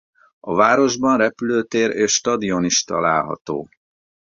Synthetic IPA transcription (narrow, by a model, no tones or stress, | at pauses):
ɒvaːɾo̞ʒbɒnrɛpyløːt̪eːɾeːʃʃt̪ɒd̪io̞niʃt̪ɒ̰laːlɦɒ̰t̪o̰ː